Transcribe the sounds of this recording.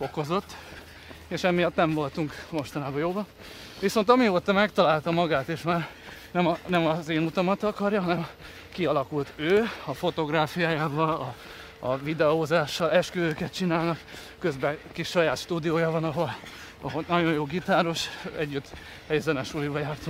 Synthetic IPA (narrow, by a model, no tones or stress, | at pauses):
fo̞ko̞zo̞t̪ː | eːʃɛmːijɒt̪nɛɱvo̞lt̪uŋkmo̞ʃt̪ɒnaːbɒjoːbɒn | ʋiso̞nt̪ɒmioːt̪ɒmɛkt̪ɒlaːlt̪ɒmɒɡaːt̪eːʃmaːrnɛmɒnɛmɒzeːnut̪ɒmɒt̪ɒkɒrjɒɦɒnɛm | kiɒlɒkult̪øːɒfo̞t̪o̞ɡraːfijaːjaːvɒlɒ | ɒvid̪ɛoːzaːʃːɒlɛʃkøzøːkɛt̪̚t͡ʃinaːlnɒk | køzbɛkiʃːɒjaːt̪ʃt̪uːd̪ijoːjɒvɒnɒɦo̞l | ɒ̰ɦolnɒɟo̞jjoːɡit̪aːɾo̞ʃɛɟːyt̪ː | hɛjzɛnɛʃulibɒjaːrt̪o